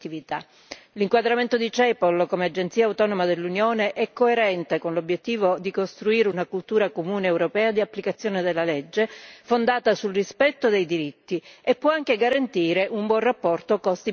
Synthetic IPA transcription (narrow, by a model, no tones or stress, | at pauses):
ivit̪a̰ | liŋkwad̪ɾament̪od̪it͡ʃɛpolkomead͡ʒent̪siːawt̪ɔnomad̪elːunjoːneʔɛkːoeɾɛnt̪ekonlobːjet̪ːiːvod̪ikost̪ɾuiːɾeunakult̪uːɾakomuːneːwɾopɛːad̪iapːlikat̪sːjoːned̪elːaled͡ʒːefond̪aːt̪asulrispɛt̪ːod̪ejd̪iɾit̪ːiepːwɔaŋk̟eɡaɾant̪iːɾeʔumbwɔnrapːɔrt̪okɔst̪i